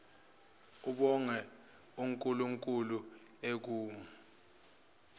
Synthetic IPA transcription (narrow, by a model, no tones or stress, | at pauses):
uɓɔŋɛ | uŋkʼuluŋkʼulu | ek̬uːmu